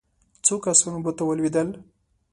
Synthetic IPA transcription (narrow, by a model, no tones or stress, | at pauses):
t͡sokasunobot̪awəlwid̪əl